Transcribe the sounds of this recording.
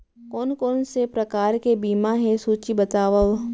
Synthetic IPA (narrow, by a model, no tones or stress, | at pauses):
kɔːnkɔːnsepɾɐkaːɾkebiːmaɦɛsuːt͡ʃibɐt̪aːʋaʋ